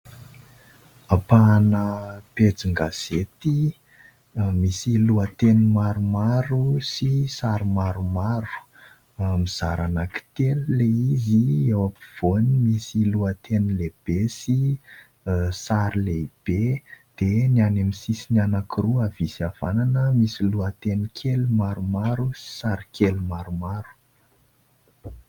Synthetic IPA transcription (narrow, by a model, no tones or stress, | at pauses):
apanəped͡ziŋɡaz̥et̪i | misiluət̪enimaɾumaɾusisaɾimaɾumaɾu̥ | miz̥aɾanaki̥t̪elleiziewapiv̥onimisiluat̪enileb̥esi | saɾleb̥ed̪̥enianamisisinianakiruavisiav̥ananəmisiluat̪enikʰelumaɾumaɾusi̥saɾikʰelumaɾumaɾu̥